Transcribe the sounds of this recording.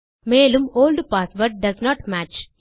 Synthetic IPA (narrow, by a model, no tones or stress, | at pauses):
meːlũmoːlɖpaːsʋəɾʈ̚ɖɐznɔːʈmæt͡ʃ